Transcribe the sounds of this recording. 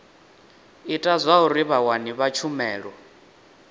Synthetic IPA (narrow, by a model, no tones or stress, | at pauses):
itʼazʷaɦuɾiβawaniβat͡ʃʰumɛːɺɔ